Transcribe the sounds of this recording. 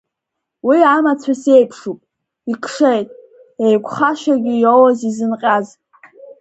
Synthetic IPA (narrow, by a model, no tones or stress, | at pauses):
wiamat͡sʷʰasejpʰʂupʼ | ikʰʂejtʼ | ejkʷʰʼχaʃaɡʲijowazizɨnqʲʼaz